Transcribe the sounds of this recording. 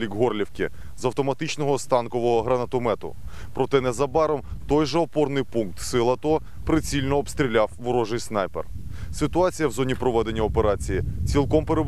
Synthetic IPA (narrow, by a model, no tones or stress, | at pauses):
lʲiɡɦɔrlʲiwkʲɪ | zɐwt̪ɔmɐt̪ɪt͡ʃnɔɦɔst̪ɑnkɔʋɔɦɔɦɾɐnɐt̪ɔmɛt̪ʊ̰ | pɾɔt̪ɛnɛzɐbɑɾɔmt̪ɔjʒɛɔpɔrnɪjpunk̚t̪sɪlˠɐt̪ɔ | pɾet͡sʲilʲnɔːbst̪ɾʲilʲawʋʊɾɔʒɪjsnɑjpersɪt̪ʊɑt͡sʲijɐwzɔnʲipɾɔʋɛd̪e̞nʲːɐɔpeɾɑt͡sʲijit͡sʲilˠkɔmpeɾeb